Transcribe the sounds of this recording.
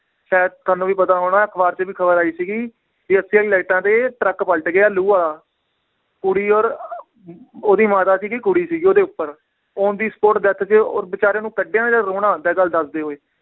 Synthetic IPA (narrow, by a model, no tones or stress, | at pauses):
ʃɛːt̪əːnũːʋiːpət̪ãːɦoːɽ̃ãːkʰbaːɾt͡ʃəʋiːkʰəbəɾaːiːsiːɡiː | d͡ʒiːəsiaileːʈãːt̪eːʈɾəkpəlʈɡɪaːluːaːlaː | kʊɽiːɔːɾ | oːd̪iːmaːt̪aːsiːkikʊɽiːsiːɡoːd̪eːʊpːəɾ | oːd̪iːsə̥poːʈd̪ət̪ʰt͡ʃeɔːɾbɪt͡ʃaːɾẽːnũːkəɖãːd͡ʒaːɾoːɽãːd̪ɛːɡəld̪əsd̪eːɦoːeː